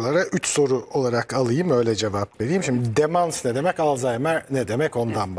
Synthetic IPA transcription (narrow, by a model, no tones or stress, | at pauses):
lˠaɾaʔyt͡ʃso̞ɾuʔo̞lˠaɾakʰalˠɯjɯmø̞jlʲɛd͡ʒe̞vapve̞ɾijːimʃimd̪id̪emansned̪e̞mɛcalˠzajmæned̪e̞mɛco̞nd̪anba